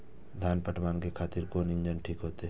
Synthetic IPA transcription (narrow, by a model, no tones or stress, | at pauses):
d̪ʱjaːnpəʈmaːnkekʰaːt̪ɪɾkoːnɪ̃nd͡ʒənʈʰiːkɦoːt̪eɦ